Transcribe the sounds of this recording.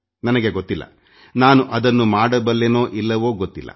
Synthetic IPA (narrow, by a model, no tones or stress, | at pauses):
nɐnɐɡeɡot̪ːilːɐ̰ | naːnuʔɐd̪ɐnːumaːɽɐbɐlːenoːʔilːɐʋoːɡot̪ːilːɐ̰